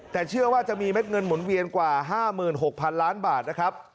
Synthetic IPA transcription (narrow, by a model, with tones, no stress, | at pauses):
t̪ɛː˨˩t͡ɕʰɯ˥˩ɐwaː˥˩t͡ɕa˨˩miː˧me˦˥t̪̚ŋɤ˧nmu˩˦nwi˧ənkwaː˨˩ɦaː˥˩mɯː˨˩nɦo˨˩k̚pʰa˧nlaː˦˥nbaː˨˩t̪̚na˦˥kʰɾa˦˥p̚